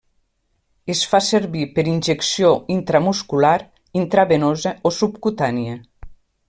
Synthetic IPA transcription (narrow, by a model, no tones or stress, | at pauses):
esfaseɾβipeɾinʲʒeksjoint̪ɾamuskulaɾ | int̪ɾaβenozeosupkut̪anie